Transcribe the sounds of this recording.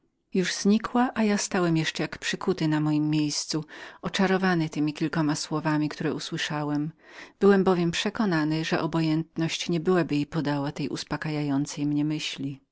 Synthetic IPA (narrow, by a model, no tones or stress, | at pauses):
juʐz̥ɲikʰwaʔajast̪awɛmjɛʂt͡ʂɛjakpʂɘkut̪ɘnamɔjimːjejst̪suɔt͡ʂaɾɔvanɘt̪ɘmʲikʲilkɔmaswɔvamʲikt̪uɾɛuswɘʂawɛmb̥ɘwɛmbɔvʲjɛmpʂɛkɔnanɘʐɛ̰ʔɔbɔjɛnt̪nɔɕt͡ɕɲɛbɘwabɘjipɔd̪awat̪ɛjʔṵspakajajɔnt̪sɛjmɲɛmɘɕlʲi